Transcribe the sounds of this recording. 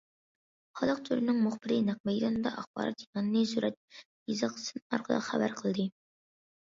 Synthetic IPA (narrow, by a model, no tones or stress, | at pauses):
χɑlˠəq̚t̪ʰyɾɪnɪŋmʊχbɪɾɪnæq̚mɛjd̪ɑnɨd̪ɑʔɑχb̥ɑ̰ːɾɑ̰t̪jiɑnɨnɨsuɾʔɛt̪̚ | jizɨqsɨnɑ̰ɾqʰəd̪ˠɑ̰χæbæ̰ɾqʰəlˠd̪ɨ